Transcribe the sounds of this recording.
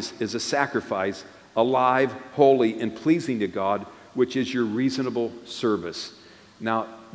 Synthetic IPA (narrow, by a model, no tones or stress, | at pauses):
zɨzɨsækɹɨfaɪs | əlaɪv̥hoʊlˠiʔɨ̃npʰl̥izɪ̃ŋtɨɡɑd̚ | wɨt͡ʃɨzjə˞ɹiznəbl̩ˠsɜ˞vɨs | naʊ